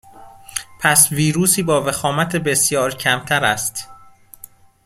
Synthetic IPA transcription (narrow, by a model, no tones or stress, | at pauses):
pʰæsviːɾuːsiːbɒːvexɒːmæt̪ʰebe̞sjɒːɾcʰæmt̪ʰæɾæst̪